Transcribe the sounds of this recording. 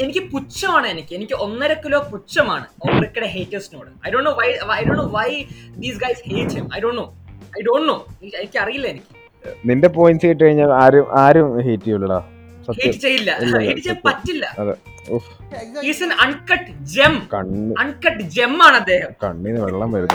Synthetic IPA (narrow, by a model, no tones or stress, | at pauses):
e̞nikʲːɨput͡ɕːɐmaːɳɨenikʲːɨenikʲːɨʔo̞nːɐɾɐkːɐloːput͡ɕːɐmaːɳɨoʋɐrikːɐɽeɦeːtːɐsnoːɽɨɐjɖoːɳːoːʋɐjʋɐjɖoːnːoːʋɐjd̪iːsɡɐjsheːt͡ɕemɐ̰jɖoːnːoːɐjɖoːɳːoːienikʲːɨɐrijilːɐenikʲːɨ̥ | ninde̞poːjinsɐjʈːɨkɐɻiɲːaːlaːɾumʔaːɾumheːtːijuɭːɭɐ | sɐeːjɐʈːɨt͡ɕe̞jːilːɐilːɐɦeeʈːɨt͡ɕejɐmppɐtːilːɐ̰ɐðɨ | uf | iːsɐnʔɐɳkɐʈːd͡ʑemkɐɳɐɳkɐʈːd͡ʑe̞mːaːɳɨɐd̪ːe̞ːɦɐmkɐ̰ɳːinːɨʋeɭːaːmʋɐɾunːɐ